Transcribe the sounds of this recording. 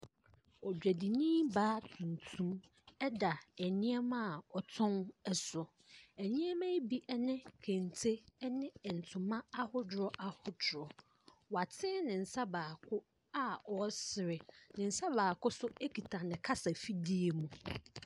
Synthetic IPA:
ɔ˨dᶣæ˨di˨nĩ˦baː˦tʰũ˨n˨tʰũ˦m | ɛ˦da˨ɛ˨nɪ̃˦ɛ˦mã˦˨ɔ˨tʰɔ̃˦nɛ˦sʊ˨ | ɛ˨nɪ̃˦ɛ˦mã˦bi˦ʔɛ˦nɪ̃˦kʰẽ˨n˨tʰe˦nɪ̃˦˨n̩˨tʰʊ̃˨mã˦a˦hʊ˦dɾɔ˦ʔa˦hʊ˦dʊ˨ɾɔ˨ | wa˨tʰɪ̃˦nɪ̃˨n̩˨sa˦baː˨kʰʊ˦ | a˦ɔ˨˦sɪ˨ɾɪ˨nɪ̃˨n̩˨sa˦baː˨kʊ˦sʊ˦e˦kʰi˨tʰa˨nɪ̃˨kʰa˦sa˨fi˦di˦e˨mũ˨

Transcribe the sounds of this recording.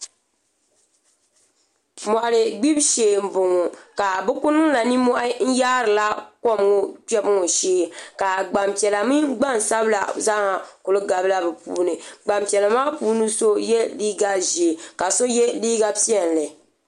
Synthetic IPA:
ma˨ɾɨ˨ɡ͡bi˦bʃeː˨m̩˨bʊ˨ŋo˨ka˨bɨ˦kʊ˦nɨ˦ŋla˨ni˦mɔ˦ʔa˦n̩˦jaː˦ɾɨ˨la˦ko˦˨mŋo˦tɛ˦bɨ˦ŋo˨ʃeː˦ka˨ɡ͡ba˨mpi˨ɛ˨la˨mɨ˦ɡ͡ba˦˨n˨sa˦bla̰˨za˦ŋa˨kʊ˨lɨ˦ɡa˨bla˦bɛ˨pṵː˦nɨ˨ɡ͡ba˨mpi˨ɛ˨la˨maː˦puː˦nɨ˦so˦jɛ˦liː˦ɡa˦ʒi˨ka˨so˦jɛ˦liː˦ɡa˦pi˦ɛ˨n˨lɨ˨

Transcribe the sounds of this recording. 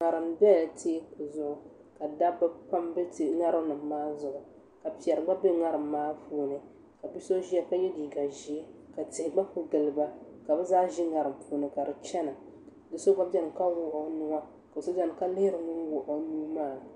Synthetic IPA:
ŋa˨ɾɨ˨mbɛ˦˨ltʰe˦kʊ˨zʊ˦ʔʊ˨ | ka˨da˦bɨ˦pa˦mbɨ˦tŋa˦ɾɨ˦m˦nɨ˨mː˦aː˦zʊ˨ʔʊ˨ | ka˨pi˨ɛ˨ɾɨ˨ɡ͡ba˦be˦ŋa˦ɾɨ˨mːaː˦puː˦nɨ˨ | ka˨bi˦so˦ʒi˦a˦ka˦jɛ˦diː˨ɡa˨ʒi˨e˦ka˨tɪ˨hɪ˨ɡ͡ba˦pʊ˦ɡɨ˨lɨ˨ba˦ | ka˨bɛ˦zaː˦ʒi˦ŋa˨ɾɨ˨m˦puː˦nɨ˨ka˨dɨ˨t͡ʃɛ˦nɨ˨ | dɨ˨so˦ɡ͡ba˦bɛ˦n˨ka˦wʊ˦ʔo˨nʊ˦ŋa˦ | ka˨so˦za˦n˨ka˦lɪ˦hɪ˦ɾɨ˨ŋɨ˦n˦wʊ˨ʔo˦nuː˦maː˦˨

